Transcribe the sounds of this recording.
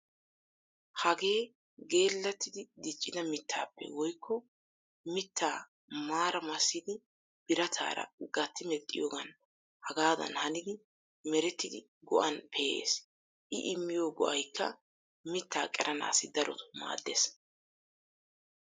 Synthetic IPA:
hɐɡe̞ː | ɡe̞ːlːɐt̪ːɪd̪ɪd̪ɪt͡ʃʼːɪd̪ɐmɪt̪ʰːaːpːɛ̰wɔjkːɔ | mɪt̪ʰːaː | maːɾɐmɐsːɪd̪ɪ | b̥ɪɾɐt̪ʰa̰ːɾɐ̰ɡɐt̪ːɪmɛt̪ʼːɪjoːɡɐn | hɐɡaːd̪ɐ̰nhɐnɪd̪ɪ | mɛɾɛt̪ːɪd̪ɪ | ɡɔʔɐnpʰejḛːs | ʔɪʔɪmːɪjoːɡɔʔɐjkːɐ̰ | mɪt̪ːa̰ːkʼɛɾʔɐna̰ːsɪd̪ɐɾʔɔ̰t̪ʊ̥ma̰ːd̪ːes

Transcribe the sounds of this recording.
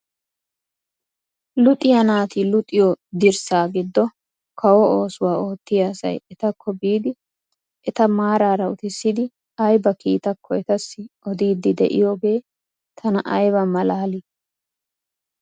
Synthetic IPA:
lʊt̪ʼɪjɐnaːt̪ilʊt̪ʼːɪjɔd̪ɪɾsaːɡɪd̪ːɔ | kʰɐwɔoːsʊwaːo̞ːt̪ːɪjasɐ̰jɛt̪ɐkʰːɔbiːd̪ɪ | ʔɛt̪ɐmaːɾaːɾɐʊt̪ɪsːɪd̪ɪ | ɐjbɐkiːt̪ɐkʰːɔɛt̪ɐsːɪʔɔd̪iːd̪ːɪd̪ɛ̰ʔɪ̰joːɡe̞ː | t̪ʰɐnɐʔɐjbɐmɐlaːlɪ

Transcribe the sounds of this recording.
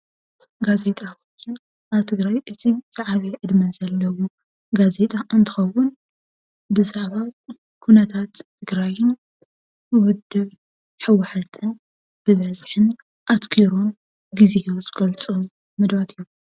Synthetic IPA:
ɡaze̞t̪ʼakojɪn | ʔaβt̪ʰɨɡɾajʔɨt̪ʰiz̥aʕaβiʕɨd̪mɐzɐlːɐwu | ɡaze̞t̪ʼaʔɨnt̪ʰɨ̥xɐwːʊn | bɨzaʕβa | kʰunɐt̪ʰat̪ʰːɨɡɾajɪn | wɔd̪ːɨβ | ħɨwːaħat̪ʰɨn | b̥ɨβɐzħɨn | ʔat̪kʰiɾon | ɡizejozɨɡɐlt͡sʼom | mɨd̪bat̪ʰijːu

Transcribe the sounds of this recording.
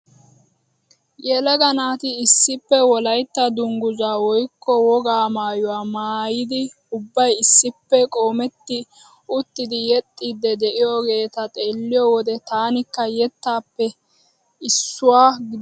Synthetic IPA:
jɛlɐɡɐnaːt̪ɪɪsːɪpːɛwɔlɐjt̪ːɐd̪ʊŋɡʊzaːwɔjkːɔwɔɡaːmaːjʊwaːmaːjɪd̪ɪ | ʊbːɐjɪsːɪpːɛkʼo̞ːmɛt̪ːɪ | ʊt̪ːɪd̪ɪjɛt̪ʼːid̪ːɛd̪ɛʔɪjoɡe̞ːt̪ɐt̪ʼe̞ːlːɪjɔwɔd̪ɛt̪aːnɪkːɐjɛt̪ːaːpːɛ | ɪsːʊwaːɡɪd̪

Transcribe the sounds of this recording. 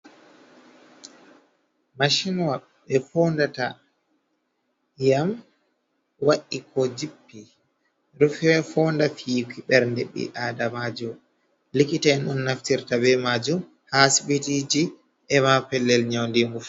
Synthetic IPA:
maʃinwa | ɓɛfɔːndata | jam | waʔikʰɔd͡ʒipːi | ɾufɛfɔndafikiɓɛɾndeɓːḭʔaːdamad͡ʒɔm | likitaɛnɗunːaftiɾtabɛmad͡ʒum | hasiɓitid͡ʒi | ʔɛmapɛlːɛlɲawndiŋɡuf

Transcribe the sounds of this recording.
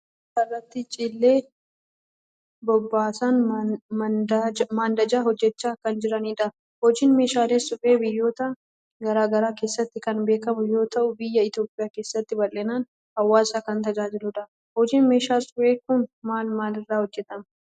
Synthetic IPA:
kɐrːɐt̪ːɪt͡ʃʼɪlːeː | bɔbːaːsan | maːnd̪ɐd͡ʒaːɦɔd͡ʒːɛt͡ʃːaːkɐnd͡ʒɪɾɐniːᶑɐ | hɔd͡ʒiːnme̞ːʃaːle̞ːsʊfʼeːbɪjːo̞ːt̪ɐ | ɡɐɾaːɡɐɾaːke̞ːsːɐt̪ːɪkɐnbe̞ːkɐmʊjo̞ːt̪ɐʔʊbɪjːɐɪt̪jo̞ːpʼɪjaːke̞ːsːɐt̪ːɪbɐlːɛnaːn | hɐwːaːsaːkɐnt̪ɐd͡ʒaːd͡ʒɪlʊᶑ̪ɐ | hɔd͡ʒiːnme̞ːʃaːsʊbeːkːʊnmaːlmaːlɪrːaːhɔd͡ʒːɛt̪ʼɐm

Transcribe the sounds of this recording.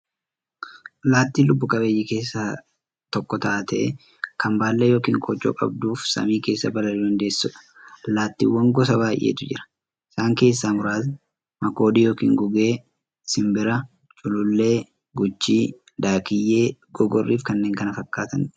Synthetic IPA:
laːt̪ːiːlʊbːʊkʼɐbeːjːɪke̞ːsːa | t̪ɔkːɔt̪ɐʔːt̪ɐʔɛ | kɐmbaːlːɛjo̞ːkiːŋkʼɔːt͡ʃʼːo̰ːkʼɐ̰b̚d̪uːfsɐ̰miːke̞ːsːɐbɐlɐɾid̪ɐnd̪e̞ːsːʊᶑɐ̥ | laːt̪ːḭːwːɐŋɡɔsɐbaːjʔḛːt̪ʊd͡ʒɪɾɐ̥ | ɪsaːŋke̞ːsːaːmʊɾaːt̪ | mɐko̞ːd̪iːjo̞ːkḭːŋɡʊɡe̞ː | sɪmbɪɾɐ | t͡ʃʼʊlʊlːe̞ː | ɡʊt͡ʃːiː | d̪aːkɪjːe̞ːɡ̥ɔɡɔrːiːfkɐnːe̞ːŋkɐnɐfɐkːaːt̪ɐn

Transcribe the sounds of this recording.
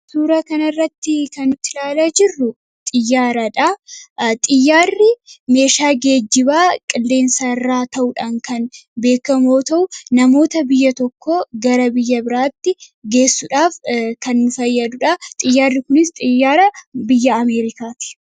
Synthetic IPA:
suːɾɐkɐnɐrːɐt̪ːɪkɐnːʊt̪ɪlaːlaːd͡ʒɪrːʊ | t̪ʼɪjːaːɾɐᶑɐt̪ʼɪjːaːrːɪme̞ːʃaːɡe̞ːd͡ʒːɪbaːkʼɪlːe̞ːnsɐrːaːt̪ɐʔʊᶑaːŋkɐnbe̞ːkːɐmo̞ːt̪ɐʔʊnɐmo̞ːt̪ɐbɪjːɐt̪ɔkʰːoːɡɐɾɐbɪjːɐbɪɾaːt̪ːɪɡe̞ːsːʊᶑaːfkɐnːʊfɐjːɐd̪ʊᶑɐt̪ʼɪjːaːrːɪkʊnɪst̪ʼɪjːaːɾɐbɪjːɐːme̞ːɾɪkaːt̪ɪ̥

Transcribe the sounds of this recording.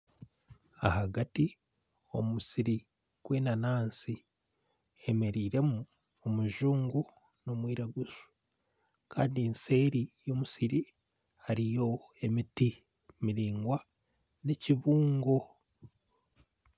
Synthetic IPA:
a̰haɡati | o̞mumusiɾi | ɡ̥we̞ːnanaːnsi | eme̞ɾiːɾe̞muː | muʒuːŋɡu | no̞mwiːɾaɡusu̥ | kʰa̰ːndiinse̞ːɾijoːmusiɾi | haɾijo̞ | e̞miti | miɾiːŋɡwa | ne̞ciβuːŋɡo̞

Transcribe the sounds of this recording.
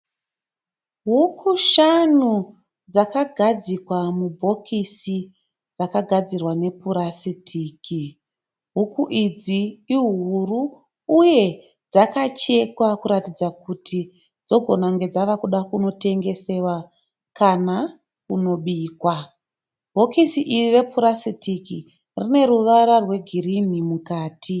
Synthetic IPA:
ɦukʰuʃanu | d͡zakaɡʱad͡zikwamubʱo̞kʰisi | rakaɡʱad͡zirwane̞puɾasitʰiːkʰi | ɦukuʔid͡ziːɦuruː | je̞ | d͡zakat͡ʃe̞kwakuɾatid͡zakutʰi | d͡zo̞ɡʱo̞naŋɡe̞d͡zaʋakuɗakuno̞te̞ŋɡe̞se̞wa | kana | kuno̞ɓiːkwa | bʱo̞kisiʔirire̞puɾasitiki | rine̞ɾuʋaɾarwe̞ɡʱirimimukaːtʰi

